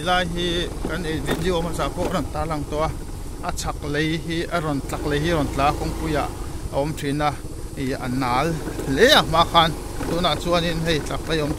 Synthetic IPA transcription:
laː˧jɦi˦ka˧nʔe˧˨vi˧ɗ̪i˨o˧ma˧t͡sa˧˨ko˦ʔɾɔ˨nt̪aː˧˦la˧˨ŋt̪o˧a˧ | ʔa˧t͡sʰa˧k̚le˧jɦi˦ʔa˧ɾɔ˨nt͡ɬa˧k̚le˧jɦi˦ɾɔ˨nt͡ɬaː˨˦kɔ˧˦ŋku˧ja˧ʔ | a˨ɔ˨˦mtʰi˧˨na˧ʔ | i˨a̰˨naː˨˦lle˦a˧ma˧xʰa˧n | t̪u˧˨na˧ʔt͡su˧˦a˦˧ni˦ʔnɦe˧jt͡ɬa˧˨k̚le˧˦jɔ˧m

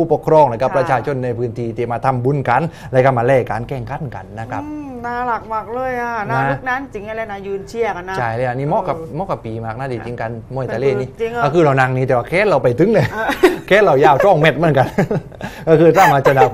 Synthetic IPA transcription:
uː˧˩po˨˩kʰɾɔː˧˨ŋna˧˩kʰa˦˧˥pːɾa˧t͡ɕʰaː˧t͡ɕʰo˧˨nːa˧jpʰɯː˧˥nt̪ʰiː˧˩t̪i˨˩maː˧˩t̪ʰa˧mbu˧˥˨nka˨n | lɛ˧˥ka˧˩maː˧lɛː˧˩ka̰ː˨˦nkɛː˧˩ŋkʰa˧˥˩nka̰˨˩nːa˦˥kʰɾa˦˥pnaː˧˩la˨˩k̚ma˨˩k̚lɤː˧˩˨jʔaː˧˩ana˧˦˧u˩k̚naː˦˧˥nt͡ɕi˨˦ŋ˧laː˧na˧jɯː˧nt͡ɕʰi˧˩əka˧nːa˦˧˦a˧˩jləː˧ja˨˧niː˧˥˩mɔː˦˧˥ka˨˩p̚mɔː˧˥kːa˨˩pːiː˨˦maː˧˩k̚na˧˦˥diː˨˩t͡ɕi˧˦ŋka˧nmu˧˩ə˨t̪aː˧leː˧˥˩niː˧˥˨kɔ˧˩kʰɯː˧˩ɾa˧wna˧ŋniː˦˥˩ɛː˨˩waː˧kʰɛː˦˥t̪̚ɾa˧˩wpa˨˩jt̪ʰɯ˨˦˥ŋlɤ˧˩˨kʰɛː˦˥t̪̚ɾa˧˩wjaː˧˩wt͡ɕ̪ʰɔ˧˩ŋmɛ˧˩t̪̚mɯ˧˥ə˨nka˧˨n | kɔː˥˧˩kʰɯː˧˩t̪ʰaː˧˥˧maː˧t͡ɕa˧naː˨˩

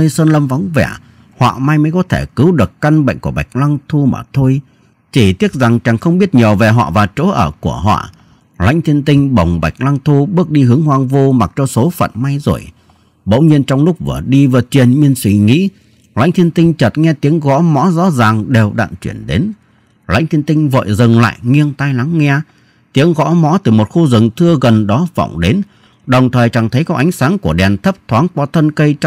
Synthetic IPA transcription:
əː˧jsəː˧nlə˧mva˨˦wŋ͡mvɛ̰˧˩ | hwa̰ː˧˨ma˧jmə˨˦jkɔ˨˦t̪ʰe˧˩kɨ˨˦wɗɨ˨˩əkka˧nɓə̰˧˨ŋ̟ku˧˩əɓa˨˩jk̟̚lwa˧ŋt̪ʰu˧ma̰ː˨˩t̪ʰo˧j | t͡ɕi˧˩t̪i˦˥ət̚za˨˩ŋt͡ɕaː˨˩ŋxə˧wŋ͡mɓi˦˥ət̚ɲəː˨˩ve˨˩ɦɔ̰˧˨vaː˨˩t͡ɕo˧˨˦ʔəː˧˩ku˧˩əɦɔ̰ː˧˨ | la̰˧˥jŋ̟t̪ʰi˧ənt̪ï˧ŋ̟ɓə˨˩wŋ͡mɓa˨˩jk̟̚lwa˧ŋt̪ʰu˧ɓɨ˦˥ək̚ɗi˧ɦɨ˨˦əŋɦwaː˧ŋvo˧ma˨˩t̚t͡ɕɔ˧so˨˦fə̰˧˨nma˧jzo̰˨˧˩j | ɓə̰˧˥wɲi˧ənt͡ɕɔ˧wŋ͡mlʊ˦˥k͡p̚vɨ̰˧˩əɗi˧vəː˨˩t͡ɕwi˨˩ənɲi˧nswi˧˩ŋḭ˧˥ | la̰˧˥jŋ̟t̪ʰi˧ənt̪ï˧ŋ̟t͡ɕə˨˩t̚ŋɛ˧t̪i˨˦əŋɣɔ̰˧˥mɔ̰˧˥zɔ̰˧˥zaː˨˩ŋɗe˨˩wɗa̰ː˧˨nt͡ɕwḭ˧˩ənɗe˨˦n | la̰˧˥jŋ̟t̪ʰi˧ənt̪ï˧ŋ̟və̰ː˧˨jzɨ˨˩ŋla̰ː˧˨jŋi˧ənt̪a˧jla˨˦ŋːɛ˧ | t̪i˨˦əŋɣɔ̰˧˥mɔ̰˧˥t̪ɨ˨˩mo˨˩t̚xu˧zɨ˨˩ŋt̪ʰɨ˧əɣə˨˩nɗɔ˨˦vɔ̰˧˩wŋ͡mɗe˨˦n | ɗə˨˩wŋ͡mt̪ʰəː˨˩jt͡ɕa˨˩ŋt̪ʰə˨˦jkɔ˨˦˥ʔa˨˦jŋ̟saː˨˦ŋku˧˩əɗɛ˨˩nt̪ʰə˦˥p̚t̪ʰwaː˨˦ŋkwa˧˩t̪ʰə˧nkə˧j

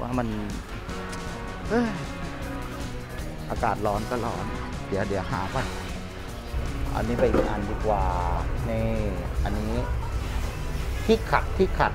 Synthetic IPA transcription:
wʔaː˧˩ma˧˨n | ʔɤː˧˩ | ʔaː˧kaː˨˩t̪̚lɔː˧˥nkɔː˧˩lɔː˧˦ndɯ˩˦ɐ˦dɯ˨˩˦ɐɦaː˩˦fʰa˧˩n | ʔa̰˧nːiː˦˥pa˧˩jmiː˧ʔa˧˩ndiː˧˩kwaː˨˩na˧˩ʔa˧˨nːiː˦˥ | p̪ʰi˦˧˥kʰa˨˩t̪̚pʰi˧˥˩kʰa˨˩t̪̚

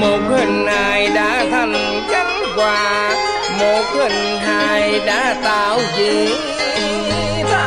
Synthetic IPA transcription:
mo˨˩t̚hə˨˩ŋ̟haː˨˩jɗa̰ː˧˥t̪ʰə˧˩m | t͡ɕa˨˦˥jŋ̚kwaː˨˩ | mo˨˩t̚hə˨˩ŋ̟ | ɦaː˨˩˨jɗa̰ː˧˥t̪aː˧˩wzi˧˩˨

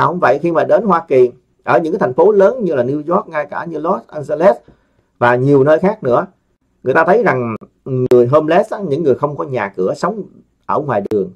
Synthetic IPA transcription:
a˨˩hʊ̰˧˥ŋ͡mvə̰˧˨jxi˧maː˨˩ɗe˨˦nhwaː˧ki˨˩ | ʔəː˧˩ɲɨ̰˧˥kaː˨˦t̪ʰa˨˩ŋ̟fo˨˦ləː˨˦nɲɨ˧laː˨˩ni˧wzɔ˦˥k̚ŋaː˧jkaː˧˩ɲɨ˧lɔ˦˥t̚ʔa˧nza˧lɛ˦˥t̚ | vaː˨˩ɲi˨˩əwnəː˧jxaː˦˥k̚nɨ̰˧˥ə | ŋɨ˨˩əjt̪aː˧t̪ʰə˨˦jza˨˩ŋ | ŋɨ˨˩əjɦoː˧mlɛ˦˥sɲɨ̰˧˥ŋːɨ˨˩əjxə˧wŋ͡mkɔ˨˦ɲaː˨˩kɨ˧˩əsə˨˦wŋ͡m | ʔəː˧˩ŋwaː˨˩jɗɨ˨˩əŋ

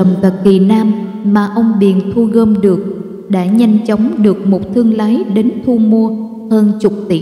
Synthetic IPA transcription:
ə˨˩wŋ͡mt̪ə˨˩k̚ki˨˩naː˧mːaː˨˩ʔə˧wŋ͡mɓi˨˩ənt̪ʰu˧ɣəː˧mɗɨ˨˩ək̚ | ɗa̰ː˧˥ɲa˧jŋ̟t͡ɕə˨˦wŋ͡mɗɨ˨˩ək̚mo˨˩t̚t̪ʰɨ˧əŋlaː˨˦jɗe˨˦nt̪ʰu˧mu˧ə | həː˧nt͡ɕʊ˨˩k͡p̚t̪i˧˩˨

